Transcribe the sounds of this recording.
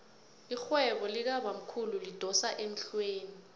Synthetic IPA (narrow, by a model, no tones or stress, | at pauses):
ixwɛɓɔlik̬aɓam̩kʰululid̥ʱɔsaʔem̩ɬweːni